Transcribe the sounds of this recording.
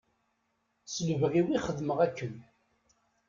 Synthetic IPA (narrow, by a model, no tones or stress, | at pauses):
səlvəʁiwiχəðməʁækːən